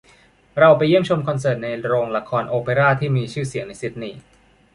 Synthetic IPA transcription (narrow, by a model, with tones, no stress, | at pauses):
ɾa˧wpa˧jːi˥˩əmt͡ɕʰo˧mkʰɔ˧nsɤː˨˩t̪̚na˧jɾoː˧ŋla˧kʰɔː˧nʔoː˧peː˧ɾaː˥˩t̪ʰiː˥˩miː˧t͡ɕʰɯː˥˩si˨˩˦əŋna˧jsi˦˥t̪̚niː˧˩